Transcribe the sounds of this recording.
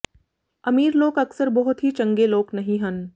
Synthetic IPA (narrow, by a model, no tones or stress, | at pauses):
ɐmiːɾloːɡɐksəɾbɐɦʊt̪ɦit͡ʃɐ̃ŋɡeloːknɐɦĩɦən